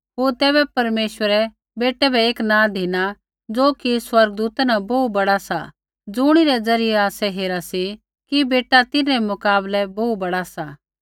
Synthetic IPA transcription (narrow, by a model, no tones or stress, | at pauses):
ɦoːɾt̪ɛːbɛpɐɾmeːʃwəɾɛ | beːʈɛbʱɛeːknãd̪ʱina | d͡zoːkiswɐɾɡəd̪uːt̪nabɔubɐɽasa̰ | d͡zʊːɽ̃iɾɛd͡zɐɾɪjɛaːsɛɦeːɾasi | kibeːʈat̪ɪnɛmʊkaːblɛbɔut̪̚bɐɽasa